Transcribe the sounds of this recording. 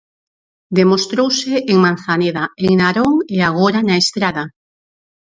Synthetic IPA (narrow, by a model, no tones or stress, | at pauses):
d̪emost̪ɾowsɪːŋman̟θaneðaeŋnaɾoŋeaɣ̞oɾanaest̪ɾaða